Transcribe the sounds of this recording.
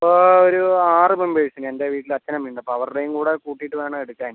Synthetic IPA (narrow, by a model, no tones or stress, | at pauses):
ɐɐpːooɾuaːrɨbɐmbeɻʂine̞ndeʋiːʈːilɐt͡ɕːɐnɐmʋiːɳɖɐpːoːɐʋɐrɽejumkuːɽekuːʈːijiʈːɨʋe̞ːɳɐeɽukːaːn